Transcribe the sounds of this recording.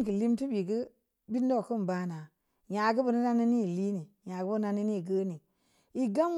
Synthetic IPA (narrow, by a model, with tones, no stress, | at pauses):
kə˨li˦mti˦bi˨ɡə˦ | bi˦n˦do˦˨kə˦m˨ba˨˦na˨ | ja˨ɡə˦bə˨nə˦na˦ni˦ni˦˨li˦ni˨ | ja˨ɡə˦ba˦ni˦ni˦˨ɡə˦ni˨ | i˦ɡa˦m